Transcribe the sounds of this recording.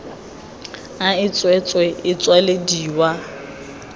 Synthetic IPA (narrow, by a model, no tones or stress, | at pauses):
aɪt͡sʼwɛt͡sʼwɛɪt͡sʼwalediːwa